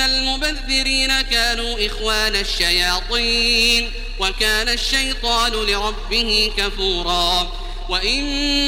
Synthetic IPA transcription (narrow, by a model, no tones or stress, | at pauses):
almʊbaðːɪɾiːnakaːnuːʔɪxwaːnaʃːajaːt̪ˤiːn | wakaːnaʃːajt̪ˤɑːnʊlɪɾˤɑbːɪhɪkafuːɾˤɑː | waʔɪn